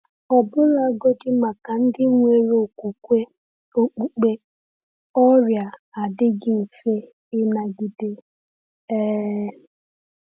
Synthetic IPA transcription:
ɔ˨bʊ˦la˦ɡo˦dɪ˦ma˨ka˨n̩˦dɪ˦ŋʷe˨ɾo˨kʷu˨kʷe˦ | o˦k͡pu˨k͡pe˦ | ɔ˦ɾja˨a˨dɪ˦ɡɪ˦n̩˨fe˦ | ɪ˦na˨ɡɪ˨dɪ˦ | ɛ˦

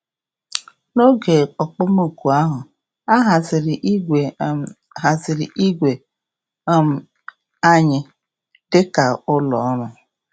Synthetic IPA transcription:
no˦ɡe˨ɔ˨k͡pʊ˦mo˦˨ku˨a˦ɦʊ˨ | a˦ɦa˨zɪ˨ɾɪ˨ʔe˨ | ɦa˨zɪ˨ɾɪ̰˨ʔi˦ɡʷe˨˦ | m̩˨ | a˦ɲɪ˨ | d̥ɪ˦ka˨ʊ˦lɔ̰˨˦nʊ˨

